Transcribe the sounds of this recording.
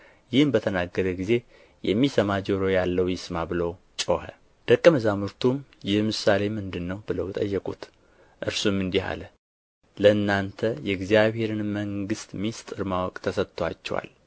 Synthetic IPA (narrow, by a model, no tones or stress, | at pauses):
jɪhmbət̪ʰənaɡːəɾəɡize̞ | jɛmːisəmad͡ʒɛwɾojalːəwjɪsmabɨlow | t͡ʃʼohə̰ | d̪̥əkʼːəməzamuɾt̪ʰumjɛmɨsale̞mɨnd̪ɨnːəwbɨləwt̪ʼə̰jːɛkʼut̪ | ʔɨɾsumɨnd̪iha̰lə | ləɨnːant̪ʰəjɛɡzijaβhe̞ɾɨnməŋɡɨst̪mist̪ʼɨɾmawɔkʼt̪ʰəsət̪t̪ːʰoa̰t͡ʃːɛ̰wa̰l